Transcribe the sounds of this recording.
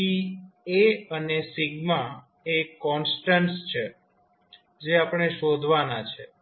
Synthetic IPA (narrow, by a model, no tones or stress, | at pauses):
ieənesiɡma | ekːɔnsʈənst͡ʃʰe | d͡ʒeapəɽ̃eʃod̪ʱʋanat͡ʃʰḛ